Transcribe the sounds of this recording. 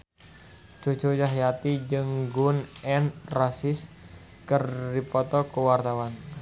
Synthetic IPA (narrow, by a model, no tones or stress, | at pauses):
d͡ʒ̥o̤̥d͡ʒojaɦjat̪id͡ʒɨŋɡʊnɛnrasɪs | kərdipɔt̪ɔkəwart̪awan